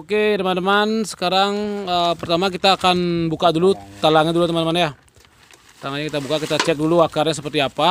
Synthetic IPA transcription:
oket̪əmand̪əmansə̥kaɾaŋəpərt̪amakit̪aːkanbukadulut̪alaŋidulut̪əmandəmanja | t̪aŋaɲakit̪abukakit̪at͡ʃɛk̚duluakarɲasəpərt̪iapa

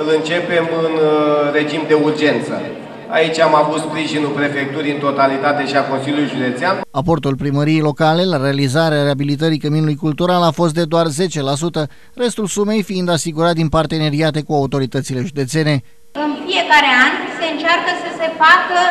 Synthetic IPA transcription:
ɨlɨnt͡ʃe̞pe̞mɨnre̞d͡ʒimd̪e̞urd͡ʒe̞nt̪sə̰ | a̰it͡ʃʲamavut̪spɾiʒinulpɾe̞fe̞k̚t̪uɾʲɨnt̪ot̪alit̪at̪e̞ʃiako̞nsiljulujʒud̪e̞t̪seanapo̞rt̪ulpɾiməɾijejlo̞kale̞laɾe̞alizaɾeaɾeabilit̪̬əɾikəminulujkult̪uɾalafo̞st̪̚d̪e̞d̪oarze̞t͡ʃe̞las̬ut̪ə | re̞st̪ulsume̞jfiind̪asiɡuɾat̪̚d̪inpart̪e̞ne̞ɾiat̪e̞kuaut̪o̞ɾit̪ət̪sile̞ʒud̪e̞t̪se̞ne̞ | ɨnfije̞kaɾeanse̞ɨnt͡ʃarkəsəse̞fakə

